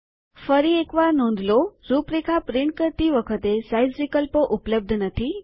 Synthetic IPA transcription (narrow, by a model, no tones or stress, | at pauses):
fəɾiekʋaɾnõnd̪ʱloɾupɾikʰapɾɪɳʈ̚kəɾt̪iʋəkʰət̪esajzʋikəlpoʔupləb̚d̪ʱnət̪ʰi